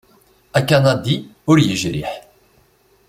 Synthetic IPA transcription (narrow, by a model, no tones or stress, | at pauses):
ækːænæd̪iʊɾjəʒɾḭħ